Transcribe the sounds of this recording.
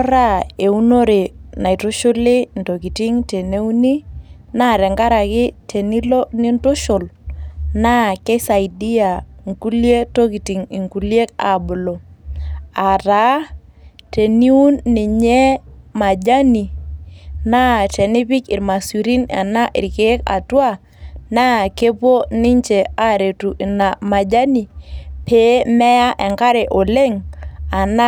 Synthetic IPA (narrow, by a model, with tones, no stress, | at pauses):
ɔ˦ɾa˦e˨u˦no˦ɾe˨na˨i˨tʊ˦ʃʊ˦lɪ˦nto˨ki˨ti˦ŋte˨ne˦u˦ni˦na˦ɾɛ˨ŋɡa˦ɾa˨kɪ˦tʰe˨ni˦lo˦nɪ˦ntʊ˦ʃʊ˨lna˦kɛ˦sa˨idi˦a˨ŋku˦lje˦to˦ki˨ti˨ŋi˨ŋku˨lje˦k̚a̰˨bʊ˨lo˨ | a˨ta˨˦ | te˨ni˦u˦nːɪ˨ɲɛ˦ma˨d͡ʒa˦ni˨ | na˦tɛ˨nɪ˦pɪ˦ki˨ɾma˨su˨ɾi˦na̰˨na˦ʔɪ̰˨ɾke˨˦ka̰˨twa˦ | na˦˨ke˦po˦nɪ˦ɲt͡ʃe˨a˦ɾe˨tu˨ʔi˨na˨ma˨d͡ʒa˦ni˨pe˨˦mɛ˦ja˦ʔɛ˨ŋka˦ɾe˨ʔo˨le˦ŋa˨na˦